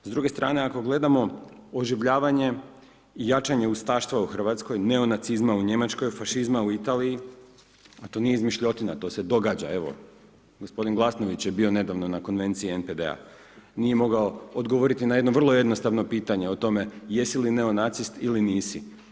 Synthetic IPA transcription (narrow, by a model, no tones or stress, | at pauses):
zd̪ɾuɡe̞st̪ɾaːne̞ako̞ɡle̞d̪amo̞oʒiʋʎaːʋaɲe̞ | ijat͡ʃaɲe̞ust̪aːʃt̪ʋauxr̩ʋat̪sko̞jne̞o̞nat̪sizmauɲe̞mat͡ʃko̞jfaʃizmauit̪aːliji | at̪o̞nijeizmiʃʎo̞t̪inat̪o̞ːse̞d̪o̞ɡad͡ʑa̰e̞ʋo̞̰ | ɡospo̞d̪inɡlˠasno̞ʋit͡ɕjebio̞ne̞d̪aʋno̞nako̞nʋe̞nt̪siie̞nped̪ḛa̰ | nije̞mo̞ɡaood̪ɡoʋo̞ɾit̪inajed̪no̞ʋr̩lˠoje̞d̪nost̪aʋno̞piːt̪aɲeot̪o̞me̞je̞siline̞o̞nat̪sist̪iliniːsḭ